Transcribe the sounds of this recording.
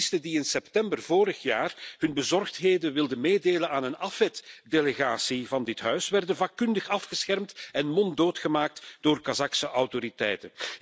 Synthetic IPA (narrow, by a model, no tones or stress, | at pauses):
stədiɪnsɛptɛmbərvoːɾəxjaːrhɵnbəzɔrxtɦeːdənʋɪlˠdənmeːdeːlənaːnənɑfɛtdeleɣaːsivɑndɪtɦœɥsʋɛrdənvaːkːɵndəxɑfxəsxɛrmtɛnmɔndoːtxəmaːk̚td̥oːrkazɑksəʔɑwtoɾitɛ̰jtə